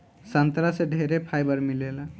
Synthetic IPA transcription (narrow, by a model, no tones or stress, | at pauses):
sənt̪ɾaseɖʱeɾepʰajbəɾmilela